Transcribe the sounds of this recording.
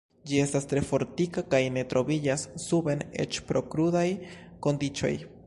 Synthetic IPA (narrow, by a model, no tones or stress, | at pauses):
d͡ʒie̞stast̪ɾe̞fo̞ɾt̪ikakajne̞t̪ɾo̞βid͡ʒasːube̞nḛt͡ʃpɾo̞kɾudaj | ko̞nd̪it͡ʃo̞̰j